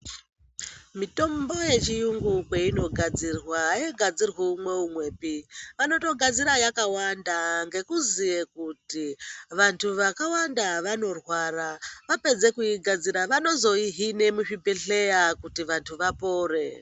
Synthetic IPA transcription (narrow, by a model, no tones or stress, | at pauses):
mito̞mbo̞je̞t͡ʃijuŋɡukweino̞ɡʱad͡zirwajeɡʱad͡zirweumwe̞umwe̞ːpiʋano̞to̞ɡʱad͡ziɾajakawandaŋɡe̞kuzijekutiʋantʰuʋakawandaʋano̞rwaːɾaʋape̞d͡ze̞kuiɡʱad͡ziɾaʋano̞zo̞iɦine̞muʂibeɬe̞jakutiʋantʰuʋapo̞ːre̞